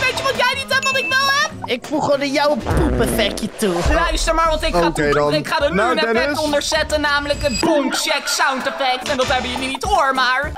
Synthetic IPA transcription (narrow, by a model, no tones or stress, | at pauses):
ʋejtjəʋɑtjɛjnitɦɛpʋɑtɪkʋɛlˠɦɛp̚ɪkfuχədəjawəpupɛfɛkjətulaɥstəɹmaːɹʋɑntɪkoaːednɪkχaːdənnɛɛɔndəɹzɛtənaːmələkət̚bɔŋkʃɛksawntɛfɛk̚tɛndɑtɦɛbəjəninitoːɹmaːɹ